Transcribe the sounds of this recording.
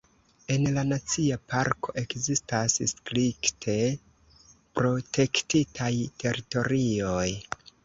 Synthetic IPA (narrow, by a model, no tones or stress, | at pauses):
e̞nlanat͡siapʰaɾko̞̰ʔe̞kzistasskɾiktʰe̞ | pɾo̞tʰe̞ktitʰajtʰe̞ɾito̞ɾio̞j